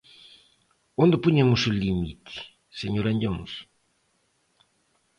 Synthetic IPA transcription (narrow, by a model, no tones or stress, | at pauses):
õnd̪ɪpuɲemʊsulimḭt̪ʰɪ̥ | seɲoɾaɲɟamʊ̰s